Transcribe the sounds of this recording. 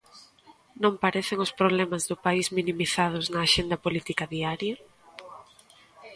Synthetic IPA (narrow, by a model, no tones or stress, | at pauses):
nõmpaɾeθeŋʊspɾoβ̞lɛmɐzðʊpaizminimiθað̞ʊznɐːʃend̪ɐpolit̪ikɐðiaɾjɐ